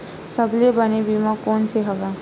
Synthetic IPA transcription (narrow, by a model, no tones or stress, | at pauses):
səblebənebimãkɔːnseɦɐʋaː